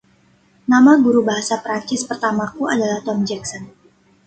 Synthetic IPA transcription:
namaɡuɾubaɦasapɾaɲt͡ʃɪspərt̪amakuadalaht̪ɔmd͡ʒɛksɔn

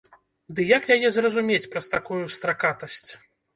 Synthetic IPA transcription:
d̪ɨjakjajɛzrɐzumʲet͡sʲpɾɐst̪akujust̪ɾakat̪ɐsʲt͡sʲ

